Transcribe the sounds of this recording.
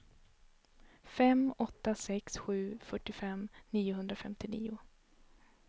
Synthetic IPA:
fɛmɔt̪ːasɛksɧʉ̟ːfœʈːɪfɛmniːʊɦɵnd̪ɾafɛmt̪ɪnḭːʊ

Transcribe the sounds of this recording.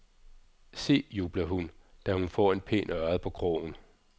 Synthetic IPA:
se̝̰ːjuːb̥lɐɦund̥æhunfɒ̰ːe̝npʰe̝̰ːnɶɐð̩ˠpʰɒ̽ɡ̥ʰʁɔ̰ːn̩

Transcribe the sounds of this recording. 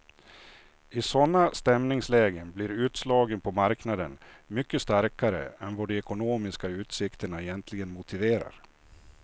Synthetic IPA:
ɪsɔnːast̪ɛmnɪŋslɛːɡənblɪɾʉ̟ːt̪slɑːɡənpʰɔmaɾknad̪ənmʏkːəst̪aɾkaɾə̰ɛnvaɖɛɛkʊnoːmɪskaʉ̟ːt̪sɪkt̪əɳaɛjɛnt̪ʰlɪɡənmʊt̪ɪveːɾa̰ɾ

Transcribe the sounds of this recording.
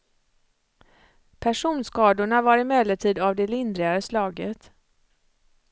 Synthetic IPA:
pʰæʂuːnskɑːd̪ʊɳavaɾɪmɛlːəʈʰiːd̪avd̪ɛlɪnd̪ɾɪaɾəslɑːɡət̪

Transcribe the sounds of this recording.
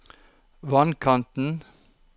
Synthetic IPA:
ʋɑnkʰɑnt̪n̩

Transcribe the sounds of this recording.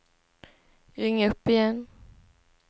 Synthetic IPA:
ɾɪŋːaɵpːɪjɛn

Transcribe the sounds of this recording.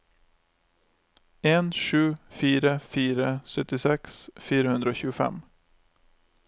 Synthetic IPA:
eːnʃʉːfiːɾəfiːɾəsœt̪ɪsɛksfiːɾəhʉnd̪ɾəoːçʉːəfɛ̰m

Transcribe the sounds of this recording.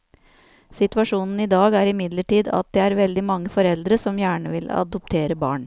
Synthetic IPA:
sɪt̪ʉʋɑʂuːnn̩ɪd̪ɑːɡæːɾɪmɪd̪ləʈiːd̪ɑ̰t̪̚d̪eːæːɾʋɛld̪ɪmɑŋːəfɔɾɛld̪ɾəsɔmjæːɳəʋɪlɑ̰d̪ɔp̚t̪ʰeːɾəbɑ̰ːɳ

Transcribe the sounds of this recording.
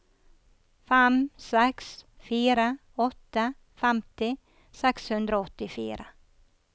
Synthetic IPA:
fɛmsɛksfyːɾa | ɔt̪ːa | fɛmt̪ɪ | sɛkshɵnd̪ɾaɔt̪ːɪfḭːɾʔa̰

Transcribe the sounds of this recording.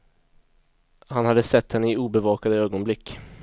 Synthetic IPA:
hanhad̪ːəsɛt̪ːhɛnːəɪuːbɛvɑːkad̪əøːɡɔnblɪkː

